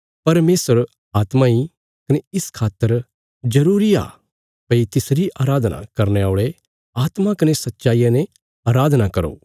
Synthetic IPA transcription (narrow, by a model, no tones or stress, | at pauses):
pɐɾmeːsəɾ | aːt̪mai | kɐneɪskʰaːt̪ːəɾ | d͡ʒɐɾuːɾia̰ː | pɐit̪ɪsɾiʔaːɾaːd̪na̰kɐɾneaːɭe | aːt̪makɐnesɐtːʃaːijãne | aːɾaːd̪ʱnakɐɾo̰ː